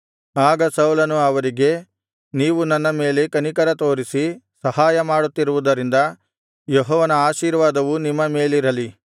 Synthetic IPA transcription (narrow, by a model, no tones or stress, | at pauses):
aːɡɐsɐwulɐnuɐʋɐɾiɡe̞ | niːʋunɐnːɐme̞ːle̞kɐnikɐɾɐt̪o̞ːɾisisɐhaːjɐmaːɽut̪ːiɾuʋud̪ɐɾind̪ɐ | joɦɔːʋɐnɐaːʃiːɾʋaːd̪ɐʋunimːɐme̞ːliɾɐli